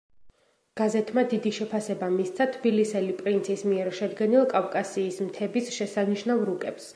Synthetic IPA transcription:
ɡ̥azɛt̪ʰmad̪id̪iʃɛpʰasɛbamist̪sʰat̪ʰbilisɛlipʼɾint̪sʰismiɛɾʃɛd̪ɡɛnilˠkʼavkʼasiːsmt̪ʰɛbisʃɛsaniʃnavɾukʼɛps

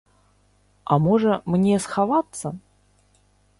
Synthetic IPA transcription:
amɔʐəmnʲɛsxavat̪sə

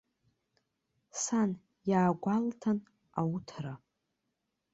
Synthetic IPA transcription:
san | jaːɡʷaltʰan | awutʰra

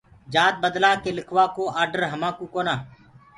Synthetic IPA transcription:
d͡ʒaːt̪̚bəd̪laːkeːlɪkʰʋaːkoːaːɾɖəɾɦəmãːkuːkoːnaː

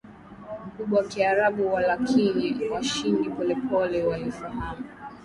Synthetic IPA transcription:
m̩kuɓawakiaɾaɓuwalakʰiniwaʃindipɔlɛpɔlɛwalifahamu

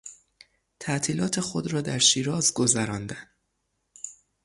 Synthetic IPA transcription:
t̪ʰæʔt̪ʰiːlɒːt̪ʰe̞xo̞d̪ɾɒːd̪æɾʃiːɾɒːzɡo̞zæɾɒːnd̪æn

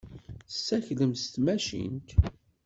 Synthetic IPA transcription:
sːæçləmst̪mæʃḭnt̪

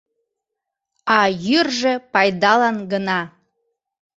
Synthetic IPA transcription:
ɑjyrʒĕpɑjd̪ɑlɑnɡənɑ

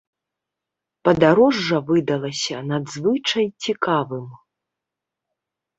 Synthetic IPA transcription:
pɐd̪aɾɔʐːɐvɨd̪ɐlˠɐsʲɐnad̪zvɨt͡ʂɐjt͡sʲikavɨm

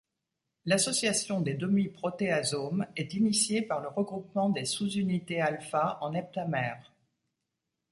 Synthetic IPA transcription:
lasɔsjasjɔ̃d̪ed̪ɔmipχɔt̪eazomɛt̪inisjepaʁləʁəɡʁupmɑ̃d̪esuzynit̪ealfaʔɑ̃nɛp̚t̪amɛːʁ

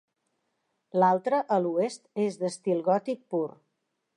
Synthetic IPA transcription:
lalˠt̪ɾəʔəluest̪ezðəst̪ilˠɣɔt̪ik̚puɾ

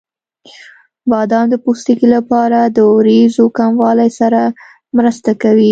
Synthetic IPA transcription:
bɑd̪ɑnd̪əpust̪ikilapɑɾad̪əɾezokamwɑlajsaɾa | mɾəst̪akawi

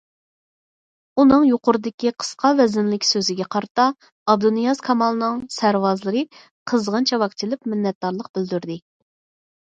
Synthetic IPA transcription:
unɨŋjoqʊɾɨd̪ɪkʲiqʰə̥sqʰɑvɛzɪnlɪkʲsøzɪɡʲɛqʰɑɾt̪ɑ | ɑb̚d̪unijɑzkʰɑmɑlˠnɨŋsæɾwɑzlˠɨɾɨ | qʰəzʁənt͡ʃʰɛwɑkt͡ʃ̪ʰɪlɪpmɪnːɛt̪̚d̪ɑɾlˠəq̚bɪld̪yɾd̪ɪ

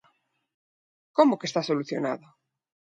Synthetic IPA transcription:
komokest̪asoluθjo̰na̰ðo

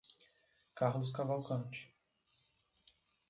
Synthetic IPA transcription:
kaɾlʊs̬kavawkɐ̃t͡ʃɪ̥

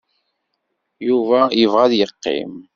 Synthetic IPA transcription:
juvæjəvʁaðjəqːḭm

